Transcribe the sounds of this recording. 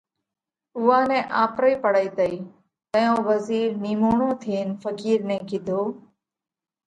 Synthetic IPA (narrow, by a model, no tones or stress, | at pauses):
ʊʋaːnɛ̃ːʔaːpɾəiːpəɽəiːt̪əiː | t̪əjõːʋəziːɾniːmoːɳõːt̪ʰiːnfəkiːɾnɛ̃ːkɪd̪ʱoː